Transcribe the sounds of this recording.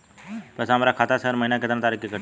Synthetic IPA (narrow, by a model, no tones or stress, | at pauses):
pəsaːmɾakʰaːt̪asəɾməinaket̪nãt̪aːɾikːekə